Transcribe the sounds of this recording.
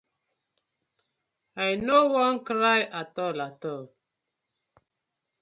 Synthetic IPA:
ajnowɔnkɾajʔatɔlatɔl

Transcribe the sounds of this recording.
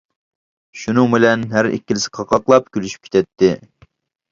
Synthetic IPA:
ʃunɨŋbɪlɛnɦæɾḭkʲːilɪsɪ̥qʰɑqɑqlˠɑp̚kʲylyʃy̥p̚kʲe̥t̪ʰɛt̪ʰːɪ

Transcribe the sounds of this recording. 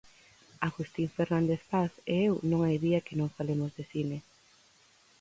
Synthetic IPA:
aɣust̪iɱfeɾnand̪eθpaθeewnõŋajðiɐkɪnõŋfalemozðeθine

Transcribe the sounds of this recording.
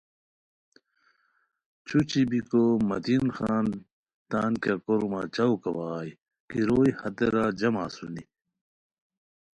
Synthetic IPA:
t͡ɕʰut͡ɕibikomɐt̪inxaːn | t̪aːnkjakoɾmat͡ɕɐwkɐwaːj | kiɾoːjhɐt̪eɾad͡ʑɐmasuni

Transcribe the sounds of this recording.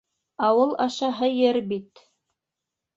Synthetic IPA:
ɑwɤlˠɑʃɑɦɤjɘɾbit̪

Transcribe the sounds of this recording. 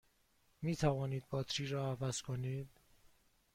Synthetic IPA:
miːt̪ʰævɒːniːd̪̚bɒːt̪ʰɾiːɾɒːævæz̥kʰoniːd̪̥

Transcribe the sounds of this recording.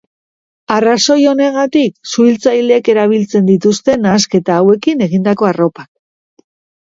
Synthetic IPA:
araso̞jo̞ne̞ɣ̞at̪iksuilt͡sajleke̞ɾaβ̞ilt͡se̞nd̪it̪ust̪e̞naske̞t̪aːwe̞kine̞ɣind̪ako̞aro̞pak̚

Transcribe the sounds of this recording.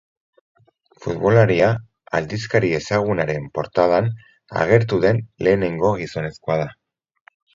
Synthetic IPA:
fud̪βo̞laɾia | a̰ld̪iskaɾie̞saɣ̞unaɾe̞mpo̞ɾt̪að̞an | a̰ɣ̞e̞ɾt̪uðe̞nle̞ːne̞ŋɡo̞ɣ̞iso̞ne̞skoað̞a

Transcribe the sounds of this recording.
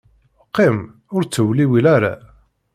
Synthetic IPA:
qːɪm | ʊɾt͡sːəwliwilaɾa̰

